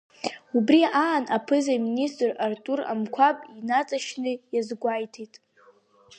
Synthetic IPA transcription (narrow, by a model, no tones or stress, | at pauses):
ubriaːnapʰɨzaministʼrartʼura̰mkʷʰapʼinat͡sʼaʃnɨjazɡʷajtʰitʼ